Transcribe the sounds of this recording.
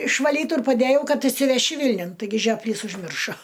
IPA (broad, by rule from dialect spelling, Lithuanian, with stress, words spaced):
ɪʃʋɐˈlʲiːtʊ ɪr pɐˈdʲæːjɛʊ ˈkɐt ɪʃʲsʲɪʋʲɛˈʃʲɪ ˈʋʲɪlʲnʲʊn tɐɪˈɡʲɪ ʒʲoːpʲˈlʲiːs ʊʒʲˈmʲɪrʃoː